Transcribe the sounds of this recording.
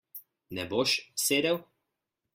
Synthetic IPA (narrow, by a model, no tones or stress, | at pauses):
nɛboʃseːd̪ɛw